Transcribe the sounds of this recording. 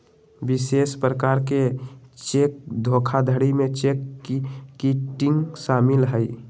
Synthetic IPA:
bisespɾəkaɾket͡ʃek̚d̪ʱokʰad̪ʱəɽimet͡ʃekː | iʈɪŋɡsamɪlɦəj

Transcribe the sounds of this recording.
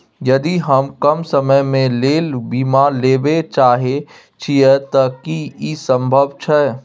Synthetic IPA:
jɐd̪iɦɐmkɐmsəməjmẽleːlbiːmaleːbet͡ʃaːɦe | t͡ʃʰiɛt̪ɐkiisə̃mbʱəʋt͡ʃʰɛː

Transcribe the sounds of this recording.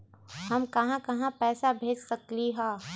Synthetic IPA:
hɐmkɐɦãkɐɦãpɛːsabʱeːd͡ʒsɐkliɦɛ̃ː

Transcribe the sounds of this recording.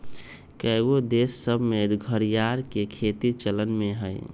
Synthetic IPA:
kəɡod̪esːəbʱmet̪ɡʱəɾijaɾkekʰet̪it͡ʃələnmeɦəj

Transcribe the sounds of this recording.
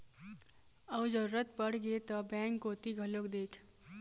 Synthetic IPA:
ɔːd͡ʒəɾuɾət̪̚pəɽ̤ɡet̪ɔbɛ̃ːŋkːot̪iɡʱəlokd̪eːkʰ

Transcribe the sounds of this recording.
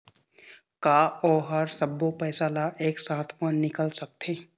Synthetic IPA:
kaːɔːɦɐɾsɐbopɛːsaːlaʔeːksaːt̪ʰmənːɪkəlsɐk̚t̪ʰeː

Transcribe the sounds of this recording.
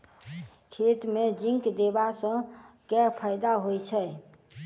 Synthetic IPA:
kʰet̪med͡ʒĩŋkd̪ebasə̃kɛɾpʰəjd̪aɦojt͡ʃʰəj

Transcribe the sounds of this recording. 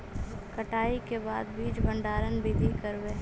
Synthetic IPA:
kɐʈaːikebaːd̪̚biːd͡ʒbʱə̃ɳɖaːɾənbɪd̪ʱikəɾʋeː

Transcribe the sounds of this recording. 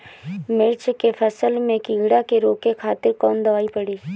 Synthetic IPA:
mɪɾt͡ʃkepʰəsəlmẽkɪ̃ːɡɽakeɾoːkekʰaːt̪ɪɾkɔːnd̪əʋaːipəɽiː

